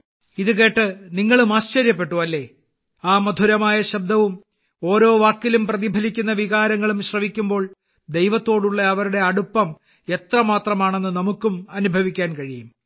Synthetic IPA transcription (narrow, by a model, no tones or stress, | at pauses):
iðɨke̞ːʈːɨniŋːɐɭumaːɕt͡ɕɐɾjɐpːe̞ʈːuʋɐlːe̞ | aːmɐd̪ʱuɾɐmaːjɐɕɐb̚d̪ɐʋum | o̞ːɾo̞ːʋaːkːilumprɐðibʱɐlikʲːunːɐʋiɣaːɾɐŋːɐɭumɕrɐmikʲːumbo̞ːɭ | d̪e̞jʋɐt̪ːo̞ːɽuɭːɐɐʋɐɾuɽe̞ɐɽupːɐm | e̞t̪rɐmaːt̪rɐmaːɳe̞nːɨnɐmukːumɐnubʱɐʋikʲːaːnkɐɻijum